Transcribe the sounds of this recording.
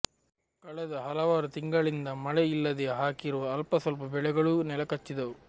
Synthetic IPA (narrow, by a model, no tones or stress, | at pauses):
kɐɭɛd̪ɐɦɐlɐʋaːɾut̪iŋɡɐɭind̪ɐmɐɭɛilːɐd̪eɦaːkiɾuʋɐɐlpɐsɐlp̬ɐbɛɭɛɡɐɭunɛlɐkɐt͡ʃːid̪ɐu